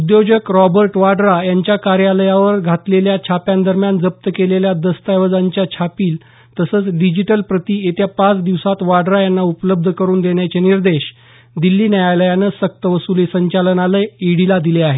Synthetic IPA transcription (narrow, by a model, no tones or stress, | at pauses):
ud̪jod͡ʑəkɾɔbəɾʈʋaɖɾajaɲt͡ɕjakaɾjaləjaʋəɾɡʱat̪leljat͡ɕʰapjãnd̪əɾmjand͡zəp̚t̪əkeleljad̪əst̪ajʋəd͡zaɲt͡ɕjat͡ɕʰapiːl | t̪əsəːt͡sɖid͡ʑiʈəlpɾət̪iːet̪japat͡sd̪iʋsat̪ʋaɖɾajanːaupləb̚d̪ʱəkəɾuːnd̪eɳjat͡ɕeniɾd̪eɕ | d̪ilːiːnjajajləjanəsək̚t̪əʋəsulesəɲt͡ɕalənaləjiɽilad̪ileaɦe